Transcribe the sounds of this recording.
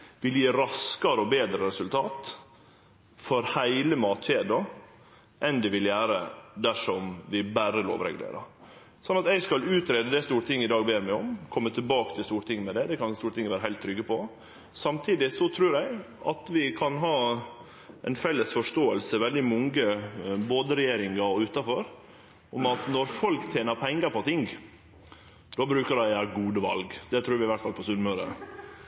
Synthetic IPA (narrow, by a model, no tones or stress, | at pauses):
ʋɪljiːɾɑskɑɾəɔbeːd̪ɾəɾɛsʉlt̪ʰɑːt̪ | fɔɾhæɪləmɑːt̪ɕeːd̪ɑ | ʔɛnd̪ɛʋɪljæːɾə̰d̪æʂɔmʋɪbæɾəlo̰ːʋɾɛ̰ɡlḛːɾɑ | sɔnːɑt̪ɛɪskɑlʉːt̪ɾeːd̪əd̪ɛst̪uːɾət̪ʰɪŋːɪd̪ɑːɡbeːɾmæɪɔmkʰɔmːət̪ʰɪlbɑːkət̪ʰɪlst̪uːɾt̪ʰɪŋːmɛd̪ɛd̪ɛkɑnst̪uːɾət̪ɪŋːəʋæːɾəɦæɪlt̪ʰːɾʏɡːəpʰɔ | sɑmt̪ʰiːd̪ɪsɔt̪ʰɾʉːɾɛɪ | ʔɑ̰t̪ʋɪkʰɑnɦɑː | ɛɪnfɛlːəsfɔʂʈ̪oːəlsəʋɛld̪ɪmɔŋɡəboːd̪əɾɛjeːɾɪŋɑɔʉːt̪ɑfɔɾ | ɔmɑt̪nɔɾfɔlkt̪ʰjeːnəɾpʰɛŋːəɾpʰɔt̪ʰɪŋ | d̪obɾʉːkəɖæɪæɾɡuːd̪əʋɑ̰lɡd̪ɛt̪ʰɾʉːɾʋɪʋæʈ̪t̪fɑlpʰɔsʉnmœɾə̰